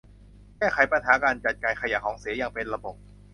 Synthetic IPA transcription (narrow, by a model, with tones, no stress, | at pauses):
kɛː˥˩xʰa˩˦jpa˧nɦaː˩˦kaː˧nt͡ɕa˨˩t̪̚kaː˧jkʰa˧ja˨˧˩kʰɔː˩˦ŋsi˨˩˦jaː˨˧ŋpe˧nla˧bo˨˩p̚